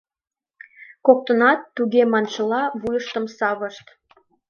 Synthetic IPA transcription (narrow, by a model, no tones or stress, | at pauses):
kok̚t̪ənɑt̪ːuɣemɑnʃəlɑβujəʃt̪əmsɑβəʃt̪